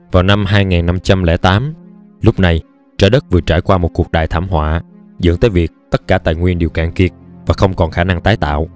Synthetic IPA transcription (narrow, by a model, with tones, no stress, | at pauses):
vaː˨˩wna˧mɦaː˧jŋaː˨˩nːa˧mt͡ɕa˧mlɛ̰˧˥t̪aː˨˦m | lʊ˦˥k͡pp̚na˨˩j | t͡ɕəː˧˩ɗə˦˥t̚vɨ˨˩ət͡ɕaː˧˩jkwaː˧mo˨˩t̚ku˨˩ək̚ɗa̰ː˧˨jt̪ʰaː˧˩mɦwa̰ː˧˨ | zɨ̰˧˥nt̪əː˨˦jvi˨˩ək̚t̪ə˦˥t̚kaː˧˩t̪a̰ː˧˨jŋwi˧ənɗi˨˩əwkḭ˧˨nki˨˩ət̚vaː˨˩xə˧wŋ͡mkɔ˨˩nxaː˧˩na˧ŋt̪aː˨˦jt̪a̰ː˧˨w